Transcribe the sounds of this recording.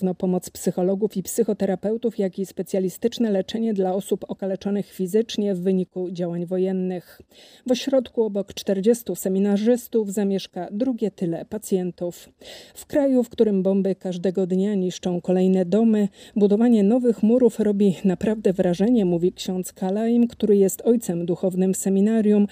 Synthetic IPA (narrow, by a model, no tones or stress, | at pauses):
vnɔpɔmɔt̪spsɘxɔlɔɡufipsɘxɔt̪ɛɾapɛwt̪ufjakʲispɛt̪sʲjalʲist̪ɘt͡ʂnɛlɛt͡ʂɛɲɛd̪laɔsupɔkalɛt͡ʂɔnɘxfʲizɘt͡ʂɲɛvːɘɲikud͡ʑawaɲvɔjɛnːɘx | vɔɕɾɔt̪kuɔbɔkt͡ʂt̪ɛɾd͡ʑest̪usɛmʲinaʐɘst̪uvzamʲjɛʂkad̪ɾuɡʲɛt̪ɘlɛpat̪sʲjɛnt̪uffkɾajufkt̪uɾɘmbɔmbɘkaʐd̪ɛɡɔd̪ɲaɲiʂt͡ʂɔ̃w̃kɔlɛjnɛd̪ɔmɘbud̪ɔvaɲɛnɔvɘxmuɾufɾɔbʲinapɾavd̪ɛvɾaʐɛɲɛmuvʲikɕɔnt̪skalajimkt̪uɾɘjɛst̪ɔjt̪sɛmd̪uxɔvnɘmsɛmʲinaɾʲjum